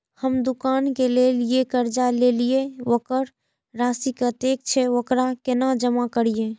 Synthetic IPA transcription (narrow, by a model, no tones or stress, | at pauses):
həmd̪ukankelelijekəɾd͡ʒalelijeokəɾ | ɾasikət̪ek̚t͡ʃʰɛokɾakenad͡ʒəmakəɾije